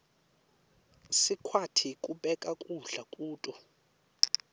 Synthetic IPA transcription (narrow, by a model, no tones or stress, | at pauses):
sikʰwatʰikʼuɓɛkʼakʼuɮakʼuːtʼɔ